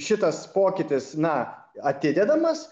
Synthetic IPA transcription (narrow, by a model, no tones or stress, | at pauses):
ʃʲɪt̪ɐspoːkʲɪt̪ʲɪsnɐ | ɐt̪ʲɪd̪ʲɛd̪ɐmɐs